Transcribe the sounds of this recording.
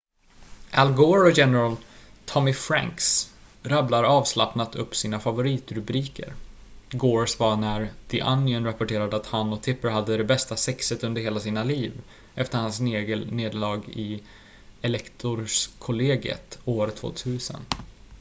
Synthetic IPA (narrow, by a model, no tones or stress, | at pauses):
ʔælɡoːɾɔjɛnəɾalt̪ʰɔmɪfɾæ̰ŋksɾablaɾɑːvslapnat̪ɵpːsiːnafavʊɾiːt̪ɾɵbɾiːkə̰ɾɡoːɾsvaɳæɾd̪̥ɪʔanːɪənɾapɔʈʰeːɾad̪əat̪hanɔkt̪ʰɪpːəɾhad̪ːəd̪ɛbɛst̪asɛksət̪ɵnd̪əɾheːlasiːnaliːv | ɛft̪əɾhansneːɡəneːd̪lɑːɡɪ | ɛlɛkt̪ʰʊɾskʰʊleːɡə̰t̪oːɾt̪ʰvo̰ːt̪ʰʉ̟ːsə̰n